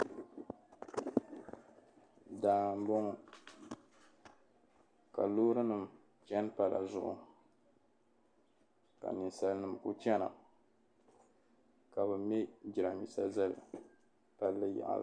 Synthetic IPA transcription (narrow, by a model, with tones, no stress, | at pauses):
daː˦m˦bɔ˦ŋ˨ | ka̰˨loː˦ɾɨ˦nɨ˨m˨ | t͡ʃɛ˦n˦pa˨la̰˨zʊ̰˦ʔʊ̰˨ | ka̰˨nɨ˨nsa˦lnɨ˦m˨ku˦t͡ʃɛ˦na̰˨ | ka˨bɨ˨mɛ˦d͡ʒi˨ɾa˨mi˦˨sa˦za˦lɨ̰˨ | pa˦lːɨ˦ja̰˨ʔa̰˨